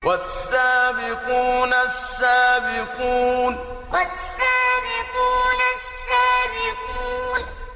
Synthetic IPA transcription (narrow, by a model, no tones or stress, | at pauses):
wʔasːaːbɪquːnasːaːbɪquːn | wasːaːbiquːnasːaːbɪquːn